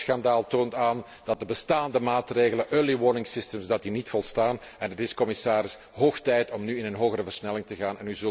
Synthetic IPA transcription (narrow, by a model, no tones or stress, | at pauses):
sxɑndaːlˠtoːntaːn | d̥ɑt̚dəbəstaːndəmaːtreːɣələnʔœliwɔːnɪŋsɪstəmsdɑt̚dinitfɔlˠstaːn | ɛnətɪskɔmɪsaːɾɪs | ɦoːxtɛjtɔmnyːɪnənɦoːɣərəvərsnɛlɪŋtəɣaːnɛnyzɵl